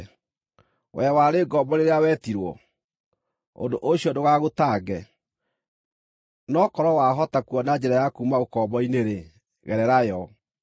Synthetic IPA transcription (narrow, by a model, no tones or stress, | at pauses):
wɛwaɾeːɡɔmbɔɾeɾeawɛːtiɾwɔ̰ | o̰ndoʔoɕiɔdoɣaɣotaːɡɛ | nɔkɔɾɔwaɦɔtakuɔnad͡ʑɛɾajakumaokɔbɔineɾe | ɣɛɾɛɾajɔ